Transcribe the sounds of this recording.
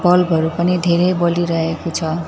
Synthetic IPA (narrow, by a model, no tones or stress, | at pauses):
bʌlbʱʌɾupʌnid̪ʱeɾejbʌliɾʌɦekot͡sʰʌ